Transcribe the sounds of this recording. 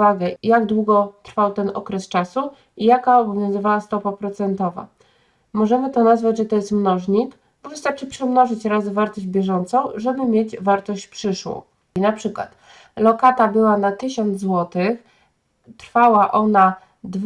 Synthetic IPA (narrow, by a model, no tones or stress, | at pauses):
aɡɛjaɡd̪wuɡɔt̪ɾfawt̪ɛnɔ̰kɾɛst͡ʂasu | ijakaɔbɔvʲjɔ̃w̃zɘvawast̪ɔpapɾɔt̪sɛnt̪ɔva̰ | mɔʐɛmɘt̪ɔnazvad͡ʑʐɛt̪ɔjɛst̪mnɔʐɲik | bɔvɘst̪aɾt͡ʂɘpʂɛmnɔʐɘt͡ɕɾazɘvaɾt̪ɔʑd͡ʑbʲjɛʐɔnt̪sɔ̃w̃ʐɛbɘmʲjed͡ʑvaɾt̪ɔɕt͡ɕpʂɘʂwɔ̰̃w̃ | inapʂɘkwa̰t̪ | lɔkat̪abɘwanat̪ɘɕɔnd̪zzwɔt̪ɘx | t̪ɾfawaʔɔna | d̪